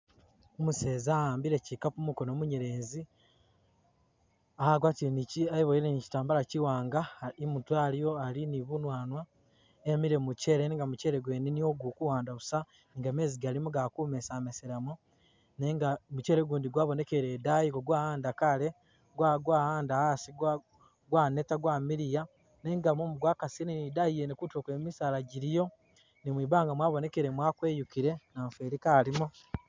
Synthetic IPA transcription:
umuse̞ːzaaːmbiɾecikapumuko̞noːmuɲeɾe̞ːnzi | ahaɡwaːtiɾeniciaiβoiɾenici̥taːmbalaciwaːŋɡaimutwaːljo̞aliniβunwaːnwa | emiɾe̞muce̞ːɾeniːŋɡamuce̞ːɾeɡweninioɡukuwaːndaβusa | niŋɡame̞ːziɡalimuɡakuːmesameseɾamu | neŋɡamuceːɾeɡuːndiɡwaːβo̞nekeɾedajiɡoɡwaːhaːndakale | ɡwaɡwaːhaːndahasiɡa | ɡwaːnetaɡwaːmiɾija | neːŋɡamumuɡwaːkasininidajijenekutokwemisaːlaɟiɾijo̞ | nimwiːβaːŋɡamwaːβone̞keɾemwaːkweːjukiɾe̞naɱfeɾikalimo

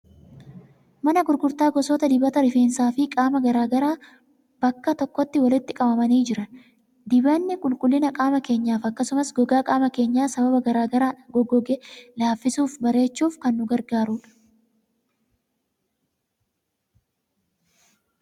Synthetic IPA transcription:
mɐnɐɡʊɾɡʊɾt̪aːɡɔsɔːt̪ɐd̪ɪbɐt̪ɐɾɪfe̞ːnsaːfɪkʼaːmɐɡɐɾaːɡɐɾaː | bɐkːɐt̪ɔkːɔt̪ːɪwɐlɪt̪ːɪkʼɐbɐmɐniːd͡ʒɪɾɐ | d̪ɪbɐnːɪkʼʊlkʼʊlːɪnɐkʼaːmɐke̞ːɲːaːfɐkːɐsʊmɐsɡɔɡaːkʼaːmɐke̞ːɲːaːsɐbɐbɐɡɐɾaːɡɐɾaːᶑɐɡɔɡɔɡɛlaːfːɪsuːfbɐɾe̞ːt͡ʃːuːfkɐnːʊɡɐɾɡaːɾuːᶑɐ̥

